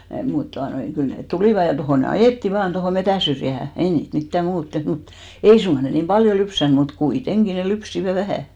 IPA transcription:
mut tuɑnoi kyl net tuliˑʋɑ jɑ tohoˑ ne ɑjeˑtːi ʋɑːn tohoˑ metæˑn̞syrjæhæ ei niːt mitːæ muːt teht mut ei suŋɡ̊ɑ ne niːm pɑljo lypsæn mut kuiteŋɡ̊i ne lypsiʋæ ʋæhæˑ

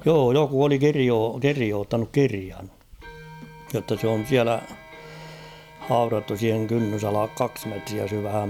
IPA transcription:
joː joku oli kirioː kirioːtːɑnuk kiriɑn jotːɑ s on̞ siælæ hɑurɑtːu siːheŋ kynːysɑlɑk kɑks metriæ syʋhæm

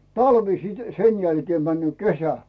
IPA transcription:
tɑlʋi sit sen jælkeː mænːyøˑ kesæ

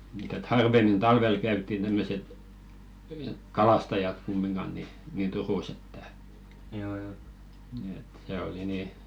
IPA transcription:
mu̥t et hɑrʋemːin tɑlʋel kæytːin tæmːøset kɑlɑstɑjɑt kumːinɡ̊ɑn ni niˑn turuˑs etːæ et se oli niˑ

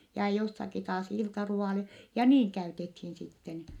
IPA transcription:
jɑ josːɑki tɑːs iltɑruɑˑle jɑ niːŋ kæytethiːn sitːen

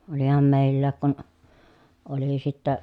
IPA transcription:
olihɑm meˑi̯lːæːk kun oli sitːæ

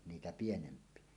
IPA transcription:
niːtæ pienempˑie

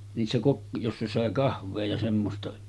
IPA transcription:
niːsːæ kok josːɑ sɑˑe kɑhʋˑeː jɑ semːostɑ

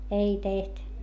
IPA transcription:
ei teht

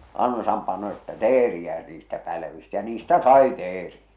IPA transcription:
ɑnsɑm pɑno etːæ teːriæ niːstæ pælʋistæ jɑ niːstæ sɑi teːriæ̥

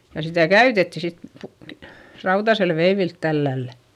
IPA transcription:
jɑ sitæˑ kæytetːi sit pu ʋe rɑutɑsel ʋeiʋilt tælːælːæ

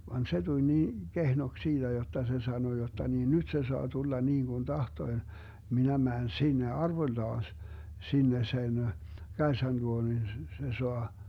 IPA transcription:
ʋɑn se tulʲ niː kehnoks siːd̥æ jotːɑ se sɑno jotːɑ niː nyt se soɑ tulːɑ niːŋɡ̊un tɑhtoĭ minæ mæːn sinːe ɑrʋoĭlːɑːs sinːe sen kɑesɑn luo nin s s se soɑ

